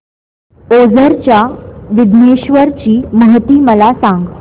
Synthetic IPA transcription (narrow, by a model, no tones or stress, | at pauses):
od͡zəɾt͡ɕjaʋid̪ʱneɕʋəɾt͡ɕiːməɦt̪iːməlasãŋɡ